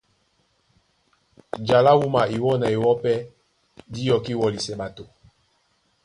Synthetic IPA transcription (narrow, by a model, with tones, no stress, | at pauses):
d͡ʒa˨la˦wu˦ma˨i˨wɔ˦na˨i˨wɔ˦pɛ˦ | di˦jɔ˨ki˦wɔ˨li˨sɛ˨ɓa˨to˨